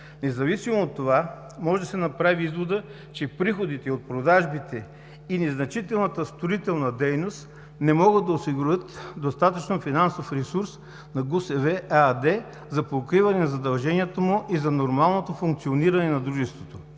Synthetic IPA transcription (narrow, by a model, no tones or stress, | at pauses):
nɛzɐvisimoːt̪ːova | mɔʒɛd̪ɐsɛnɐpɾaviizvod̪ə | t͡ʃɛpɾixod̪it̪ɛot̪̚pɾod̪aʒbit̪ʰɛ | inɛznɐt͡ʃit̪ɛlˠnət̪əst̪oɾit̪ɛlˠnɐd̪ɛjnost̪ | nɛmɔɡəd̪ɐosiɡuɾʲɤt̪d̪ost̪at̪ət͡ʃnofinansofɾɛsuɾs | nɐɡusɛvɛad̪ɛ | zɐpokɾivɐnɛnɐzɐd̪ɐlˠʒɛniɛt̪əmʊʔizɐnoɾmalˠnot̪ofuŋkt̪sioniɾɐnɛnɐd̪ɾuʒɛst̪vot̪o